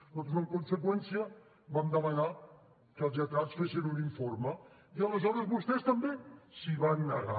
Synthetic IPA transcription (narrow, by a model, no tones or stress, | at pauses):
t̪ot̪zəmkunsəkwɛnsiə | bamd̪əməna | kəlˠzet̪at̪sfesənuniɱfoɾmə | iələzɔɾəzβust̪ɛst̪əmbesiβanːəɣa̰